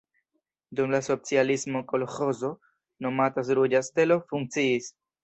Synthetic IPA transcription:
dumlaso̞t͡sialismo̞ko̞lxo̞zo̞ | no̞matas̬ɾud͡ʒaste̞lo̞fuŋk̚t͡siis

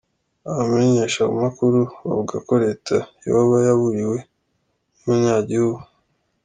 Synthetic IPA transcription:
aβameɲeʃaṵmakuɾuβa̰vuɡako̞ɾe̞tʰajḛhoβajaβuɾiwe̞ | muɲaːɟihuβu

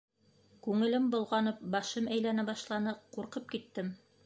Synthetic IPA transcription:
kʉŋɘ̆lɘmbŏlˠʁɑnɤp̚bɑʃɤmæjlænæbɑʃlˠɑnɤquɾqɤp̚kit̪ːɘm

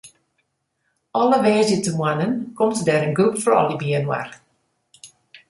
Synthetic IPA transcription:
ɔləʋɛːzjətəmwanənkɔmtədɛːɾənɡrupfɔrɔ̰lˠibiənwa̰r

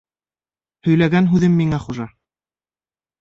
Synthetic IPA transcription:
hɵ̆jlæɡænɦʉðɘmːiŋæχuʒɑ

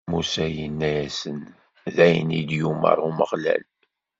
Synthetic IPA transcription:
musæjənːæjæsən | ðæjnid̪jumə̰ɾˤuməʁlæ̰l

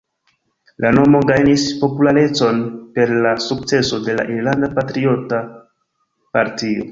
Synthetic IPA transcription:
lano̞mo̞ɡajnispo̞pulaɾe̞t͡so̞npe̞ɾlasuk̚t͡se̞so̞de̞la̰ʔiɾlandapatɾio̞ta | paɾtio̞̰

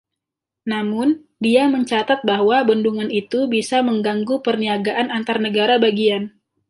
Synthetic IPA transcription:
namʊn | diaməɲt͡ʃat̪at̪̚baɦwabənduŋanit̪ubisaməŋɡaŋɡupərniaɡaʔanant̪arnəɡaɾabaɡian

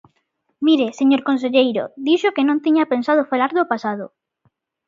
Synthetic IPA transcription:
miɾeseɲoɾkõns̬eʎejɾo̰d̪iʃokenõnt̪iɲapensað̞ofalaɾðopasað̞ʊ

